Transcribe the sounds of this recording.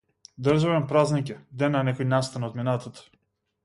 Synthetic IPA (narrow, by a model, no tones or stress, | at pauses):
d̪əɾʒaβɛnpɾaznakʲɛd̪ɛnːanɛkɔjnast̪anot̪minat̪at̪ḁ